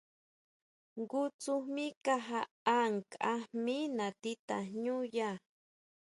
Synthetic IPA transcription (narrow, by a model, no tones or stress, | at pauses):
ɡʊt͡sʊmikaɦa | aŋkʼaminat̪it̪a̰ɲuja